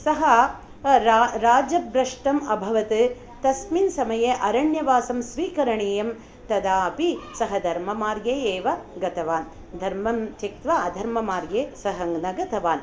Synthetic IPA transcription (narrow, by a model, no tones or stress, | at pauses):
sɐɦɐ | ɾɾaːd͡ʒɐbɾɐʂʈɐmɐbʱɐʋɐt̪ɨ | t̪ɐsminsɐmɐjeʔɐɾɐɳjɐʋaːsɐmsʋiːkɐɾɐɳeːjɐm | t̪ɐd̪aːpisɐɦɐd̪ʱɐɾmɐmaːɾɡeeːʋɐɡɐt̪ɐʋaːn | d̪ʱɐɾmɐmt͡ʃik̚t̪ʋɐɐd̪ʱɐɾmɐmaːɾɡeːsɐɦɐŋɡnɐɡɐt̪ɐʋaːn